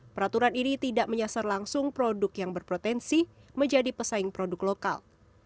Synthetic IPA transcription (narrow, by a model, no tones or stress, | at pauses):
pəɾat̪uɾaninit̪idaʔməɲasarlaŋsʊŋpɾodʊkjaŋbərpɾot̪ɛnsi | məɲd͡ʒadipəsaɪŋpɾodʊkloka̰l